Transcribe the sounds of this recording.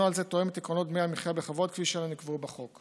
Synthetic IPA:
ualzet̪o̞emet̪ikʁonot̪̚meamiχjabeχavo̞d̪̚kfiʃelonikvubaχo̞k

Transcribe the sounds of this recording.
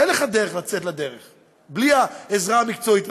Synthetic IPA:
enleχad̪eʁeχlat͡set̪lad̪eʁeχ | bliaezʁamikt͡soit̪

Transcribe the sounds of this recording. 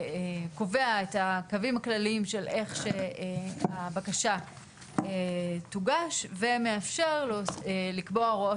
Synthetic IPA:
ko̞ve̞aetakavimaklalimʃe̞lʔe̞χʃe | abakaʃa | etuɡaʃve̞meafʃe̞ʁlolikbo̞aʁoo

